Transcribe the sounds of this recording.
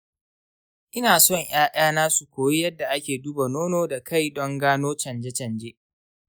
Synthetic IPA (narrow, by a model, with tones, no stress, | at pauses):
ʔɪ˦naː˨sɔ˦˨ŋj̰aː˦ʔaː˦naː˦su˨kʷoː˨ji˦jɐ˦dːa˨ʔa˦kʲeː˨duː˦ba˨noː˦noː˦da˨kʰa˦˨jdɔ˦ŋɡaː˦noː˦t͡ʃɐ˨nd͡ʒɛ˦t͡ʃɐ˨nd͡ʒeː˦ʔ